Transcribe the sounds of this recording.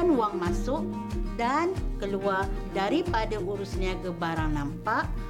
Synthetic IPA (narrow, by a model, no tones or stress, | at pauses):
nwaŋmãsʊʔ | dankəluardaɾipadaʔuɾusniãɡabaɾaŋnampaʔ